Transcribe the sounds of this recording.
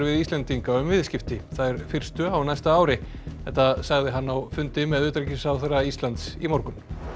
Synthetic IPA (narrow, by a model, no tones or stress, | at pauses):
ɾvɪðist̪lɛnt̪iŋkaʏmvɪðscɪft̪ɪθaðɛɾ̥fɪr̥st̪ʏawnajst̪aaːwɾɪ | θɛht̪ːasaɣðɪɦanːawfʏnt̪ɪmɛðʏːt̪ɾecisawθɛraist̪lant̪sḭmɔɾkʏn